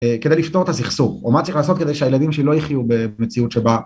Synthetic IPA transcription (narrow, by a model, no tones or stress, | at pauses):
eked̪ejlift̪o̞ʁet̪asiχsuomat͡s̪lʁiχlaːso̞t̪ke̞d̪ejʃeajelad̪imʃelo̞jiχjube̞met͡siut̪ʃe̞ba